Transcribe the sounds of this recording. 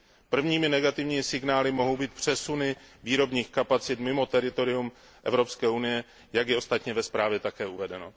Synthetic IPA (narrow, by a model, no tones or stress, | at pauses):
pr̩vɲiːmɪnɛɡat̪ɪvɲiːmɪsɪɡnaːlɪmo̞ɦo̞wbiːt̪pr̝̥ɛsunɪviːɾo̞bɲiːxkapat͡sɪt̪mɪmo̞t̪ɛɾɪt̪o̞ɾɪum | ʔɛvɾo̞pskɛːunɪjɛ | jaɡjɛo̞st̪at̪ɲɛvɛspɾaːvjɛt̪akɛːuvɛdɛno̞